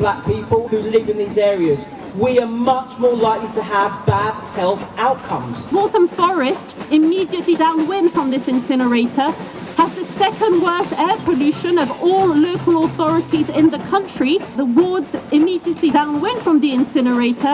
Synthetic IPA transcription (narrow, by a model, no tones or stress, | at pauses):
blak̚piˑpəlˠhʉlɪvɪ̃nðiːzɛːɹiəz | wiəmʌt͡ʃmɔːlaɪklitʰəəvbad̥̚hɛlˠθaʊtkʰʌ̰̃mz̥wɔˑθə̃ɱfɔɹɪstɪmiːdiəʔlidãʊ̃nwɪ̃nfɹə̃mðɪsɪ̃nsɪnəɹeɪtʰə | əzðəsɛkə̃ndwɜˑθɛːpʰəlʉˑʃə̃nəvɔːlˠːoʊkʰəlɔθɒɹɪtʰizɪ̃nðəkʰʌ̃nt͡ʃɹ̥iðəwɔːdzɪmiːdiəʔlidãʊ̃nwɪ̃nfɹə̃mðiɪ̃nsɪnəɹeɪtʰə